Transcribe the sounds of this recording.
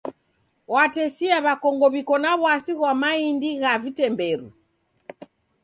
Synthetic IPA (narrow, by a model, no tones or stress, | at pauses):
watɛsiaβakɔŋɡɔβikɔnaβwasiɣwamaindiɣavitɛmbɛɾṵ